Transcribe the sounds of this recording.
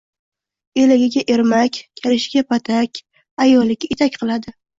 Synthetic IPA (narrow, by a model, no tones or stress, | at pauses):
elɪɡʲɪɡʲaʔeɾmakʲkʲʰalɪʃɪɡʲapʰat̪ʰakʲ | ajɒlːɪkʲet̪ʰakʲqʰɨlˠad̪ɪ